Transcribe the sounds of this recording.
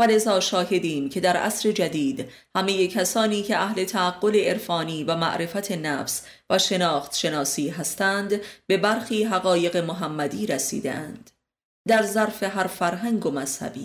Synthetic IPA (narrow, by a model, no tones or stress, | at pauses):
væle̞zɒːʃɒːhe̞d̪iːmcʰe̞d̪æɾʔæ̰sɾe̞d͡ʒæd̪iːd̪ | hæme̞je̞cʰæsɒːniːcʰe̞ʔæhle̞t̪ʰæːɡːo̞le̞eɾfɒːniːvæmæ̰ʔɾe̞fæt̪ʰe̞næːfs | væʃe̞nɒːxt̪ʃe̞nɒːsiːɦæst̪æːnd̪be̞bæɾxiːɦæɣɒːje̞ɣe̞moɦæmːæd̪iːɾæsḭːd̪ḛʔæ̰nd̪̥ | d̪æɾzæɾfe̞ɦæɾfæɾɦæŋɡomæshæ̰bḭː